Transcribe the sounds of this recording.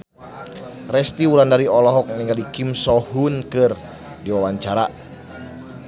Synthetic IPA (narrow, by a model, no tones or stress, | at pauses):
rɛst̪iwuɾandaɾiɔlɔɦɔk̚niŋɡalikimsɔhunkɨr | diwawaɲt͡ʃaɾa